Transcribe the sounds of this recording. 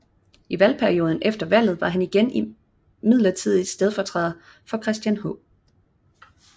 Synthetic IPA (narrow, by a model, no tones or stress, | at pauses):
iʋælpʰæɐio̝ːð̞ˠn̩efd̥ɐʋæl̰ð̩ˠʋɑ̈ɦæniɡ̥eni | mið̞̰ˠlɐt͡sʰið̰ˠi̥sd̥eðˠfɒt͡sʰʁɛð̰ˠ | fɒ̽kʰʁɛsd̥jænɦɔ